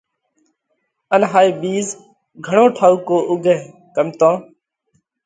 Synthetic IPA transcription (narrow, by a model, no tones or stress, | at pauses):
ənɦaːiːbiːz | ɡʱəɳõːʈʰaːuːkoːʔʊɡʱeː | kəmt̪õː